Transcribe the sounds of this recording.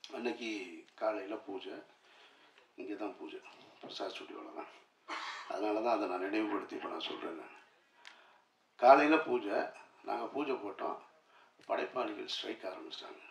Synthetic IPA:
ɛnːɐkʲːikaːlɐjɪlɐpuːd͡ʒɐ | ɪŋɡeːt̪ãːpuːd͡ʒɛpɪɾɐsaːðsʊʈːɪʋo̰ːlɐlã̰ː | ɐ̰ðɐnaːlɐt̪ãːɐðɐnãːnɪɽɐʋɯpɐɽɯt̪ːiɪpːɐnãːsɔ̰lɾẽːɪlːɛ̃ | kaːlɐɪjɪlɐpuːd͡ʒɐnʔa̰ːŋɡɐpuːd͡ʒɐpoːʈːõ̰ː | pɐɽɐɪpːaːlɪɣɐlsʈɾɐɪkːaːɾɐmbɪt͡ʃɪ̥ʈːa̰ːŋɡɐ

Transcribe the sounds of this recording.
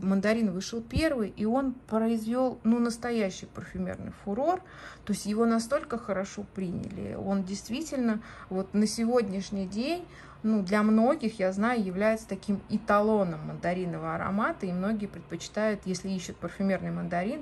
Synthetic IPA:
mənd̪ɐɾʲinvɨʂɨlˠpʲe̞rvɨjʔio̞npɾəɪzvʲo̞lˠnunəst̪ɐjæɕːɪjpərfʲʊmʲḛrnɨ̰jfʲʊɾo̞r | t̪o̞ɪsʲtʲjɪvo̞nɐst̪o̞lʲkəxəɾɐʂo̞pɾʲinʲɪ̰lʲɪ̰o̞ndʲɪjst̪vʲitʲɪlʲnəvo̞t̪nəsʲɪvo̞dʲnʲɪʂnʲɪjdʲenʲ | nud̪lʲɐmno̞ɡʲɪxjaznajʊjɪvlʲæjɪt̪sə̥t̪ɐkʲimɪt̪ɐlˠo̞nəmːənd̪ɐɾʲinəvəɐɾɐ̰mat̪əimno̞ɡʲɪjəpɾʲɪt̪̚pət͡ɕɪ̥t̪ajʊt̪jesʲlʲɪiɕːɪt̪̚pərfʲʊmʲe̞rnɨjmənd̪ɐɾʲin

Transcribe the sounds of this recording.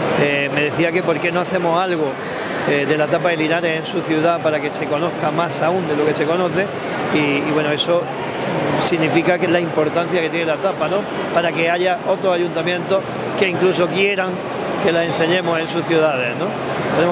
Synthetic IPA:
eme̞ðe̞θiake̞po̞ɾke̞no̞aθe̞mo̞salɣo̞ | eðe̞lat̪apaelinaɾe̞sẽ̞nsuθjuðapaɾake̞se̞ko̞no̞hkamasaund̪e̞lo̞ke̞se̞ko̞nõ̞θe̞ | iːβwe̞noe̞so̞ | siɣnifikakelaimpo̞ɾt̪an̟θjaket̪je̞nelat̪apano̞ | paɾake̞aʝaʔo̞t̪ɾosaʎunt̪amjẽ̞nt̪o̞ | ke̞iŋklus̬o̞kje̞ɾaŋ | ke̞lasẽ̞nse̞ɲe̞mo̞se̞nsuθjuðað̞e̞hnõ̞ | t̪enem

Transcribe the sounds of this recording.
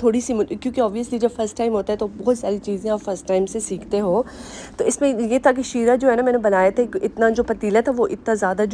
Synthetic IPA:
t̪ʰoːɽisimʊkjõːkeɔːbʋijəslid͡ʒɐbfɐɾsʈːaːɪmɦoːt̪aɦɛt̪obɔɦt̪saːɾit͡ʃiːzẽaːpfɐɾsʈːaːɪmsesiːkʰt̪eɦoːt̪oːɪsmẽjet̪ʰak̬eʃiːɾad͡ʒoːɦɛːnamɛːnebɐnaːjat̪ʰekʔɪt̪nad͡ʒoːpɐt̪iːlɛt̪ʰaʋoʔɪt̪nazjaːd̪ad͡ʒ

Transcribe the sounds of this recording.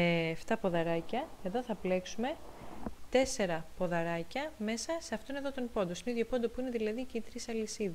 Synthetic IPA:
ft̪ɐpo̞ðɐɾɐcɐe̞ðo̞θɐple̞ksume̞t̪e̞se̞ɾɐpo̞ðɐɾɐcɐme̞sɐse̞ɐft̪oine̞ðo̞t̪onpo̞nd̪osineiðʝo̞pond̪opuine̞ðilɐðicit̪ɾisɐlisiðɐ

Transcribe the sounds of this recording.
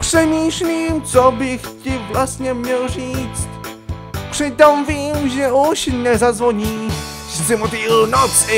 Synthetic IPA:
pʂɛmʲiʂlʲimt͡sɔbɪxtɪvlast̪ɲɛmɲɛlʐit͡st̪ | pʂɪt̪ɔmvʲimʒɛuɕɲɛzad̪zvɔɲi | szɛmɔt̪inɔtsɪ

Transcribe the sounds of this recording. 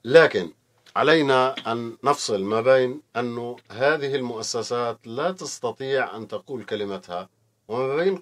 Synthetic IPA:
laːkɪn | ʕa̰lajnaʔanːɑfsˤɨlmaːbeːnʔanːʊɦaːðɪhɪlmʊʔasːasaːt̪lat̪ɑst̪ɑt̪ˤiːʕʔa̰nt̪ɑquːlkalɪmat̪ha | wɪmabeːn

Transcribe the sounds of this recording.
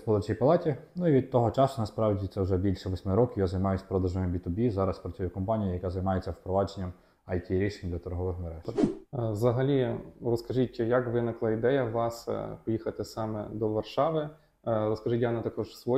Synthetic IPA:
spɔlˠɐt͡ʃʲijpɐlˠɑtʲinuiʋʲid̪̚t̪ɔɦɔt͡ʃɑsʊnɐspɾɑʋdʲit̪sɛʊʒɛbʲilʲʃɛʋɔsʲmɪɾɔkʲɪjazɐjmɑjʊsʲpɾɔd̪ɐʒɔjɪmbʲit̪ʊbʲizɑɾɐspɾɐt͡sʲujʊkɔmpɑnʲijijɐkazɐjmɑjet͡sʲːɐwpɾɔʋɑd͡ʒenʲːɐm | ɐjtʲiɾʲiʃɪmd̪lʲɐt̪ɔɾɦɔʋɪxmɛɾɛʃʋzɐɦɐlʲirɔskɐʒitʲjɐkʋɪnɪklˠɑid̪ɛjɐʋɑspɔjixɐt̪ɪsɑmɛ̰d̪ɔʋɐrʃɑʋɪ | ɾɔskɐʒɪtʲjanɐt̪ɐkɔʒsʋɔ

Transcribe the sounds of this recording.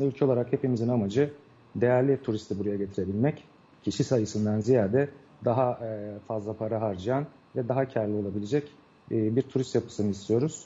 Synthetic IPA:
ylʲcʰɛo̞lˠaɾakhe̞pimizinamad͡ʒɯ | d̪e̞jæɾlʲit̪ʰuɾist̪ʰibuɾajaɟe̞t̪ʰiɾe̞bilʲmɛc | cʰiʃisajɯsɯnd̪anzijaːd̪ɛ | d̪aɦafazlˠapʰaɾaɦaɾd͡ʒɯjan | vɛd̪aɦacʰaɾlʲio̞lˠabilʲed͡ʒɛcː | biɾt̪ʰuɾist̪japʰɯ̥sɯnɯist̪ʰijo̞ɾuz̥

